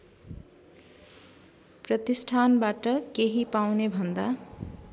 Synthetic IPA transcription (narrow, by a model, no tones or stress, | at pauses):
prʌt̪isʈʰanbaʈʌkeɦipawnebʱʌnd̪a